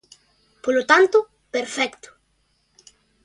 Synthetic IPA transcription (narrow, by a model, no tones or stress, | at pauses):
polot̪ant̪ʊ | peɾfɛkt̪ʊ̥